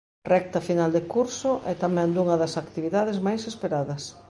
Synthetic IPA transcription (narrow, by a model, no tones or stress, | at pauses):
rɛk̚t̪ɐfinald̪ekuɾsʊʔɛt̪amɛ̃nd̪uŋɐðɐsakt̪iβiðað̞ezmajsespeɾaðɐs